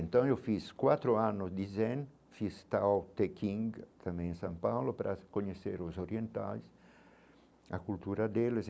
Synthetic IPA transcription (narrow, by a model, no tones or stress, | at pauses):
ent̪ãŋ̃ewfiskwat̪ɾoanʊzd̪izɛn | fist̪aawt̪ekʰiŋɡt̪ʰamẽj̃sãmpawlopɾʔakoɲeseɾozoɾjient̪a̰js | a̰kult̪uɾad̪eles